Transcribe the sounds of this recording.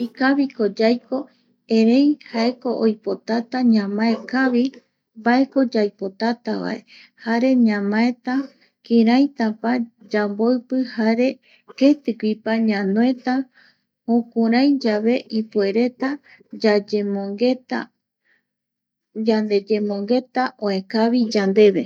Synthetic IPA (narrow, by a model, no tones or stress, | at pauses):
ikaβiko̞d͡ʒajko̞ | ẽ̞ɾe̞jhae̞ko̞ʔojpo̞t̪at̪aɲãmae̞kaβi | bae̞ko̞d͡ʒajpo̞t̪at̪aβa̰e̞ | haɾe̞ɲãmãe̞t̪a | kĩɾaj̃t̪apad͡ʒambo̞ɨpɨhaɾe̞ | ket̪ɨkipaɲãnoẽ̞t̪a | hõkuɾãjd͡ʒaβe̞ʔipue̞ɾe̞t̪a | d͡ʒad͡ʒmoŋɡet̪a̰ | d͡ʒand̪e̞d͡ʒe̞mõ̞ŋɡe̞t̪aʔõẽkaβid͡ʒand̪e̞βe̞